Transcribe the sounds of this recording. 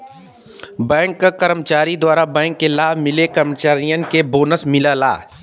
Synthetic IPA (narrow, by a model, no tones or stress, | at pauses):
bɛ̃ːŋkːakəɾəmət͡ʃaːɾid̪waːɾabɛ̃ːŋkːelaːbʱmɪlekəɾmət͡ʃaːɾijənkeboːnəsmɪlala̰ː